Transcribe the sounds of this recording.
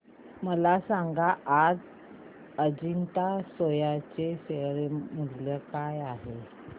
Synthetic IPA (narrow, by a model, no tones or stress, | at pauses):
məlasaŋɡaʔːd͡z | əd͡ʑint̪asojat͡ɕeseɾeməɦljəkajaɦe